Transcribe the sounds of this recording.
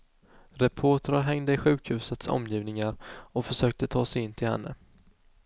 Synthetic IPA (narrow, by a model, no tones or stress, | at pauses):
ɾɛpʰoːʈaɾaɾɦɛŋd̪əɪɧʉ̟ːkhʉ̟ːsət̪sɔ̰mːjiːvnɪŋaɾɔfœʂøːk̚t̪ət̪ʰɑːsɛjɪnt̪ʰɪlhɛ̰nːə̰